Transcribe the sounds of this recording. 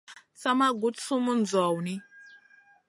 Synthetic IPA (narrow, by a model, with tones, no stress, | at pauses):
sa˦ma˦ɡu˨˦t͡su˦mu˦nd͡zɔ˨wni˦